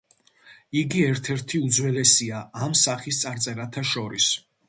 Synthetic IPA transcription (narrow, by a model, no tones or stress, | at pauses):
iɡiɛɾt̪ʰɛɾt̪ʰiud̪zwɛlɛsiaːmsaχist̪sʼaɾt̪sʼɛɾat̪ʰaʃɔɾis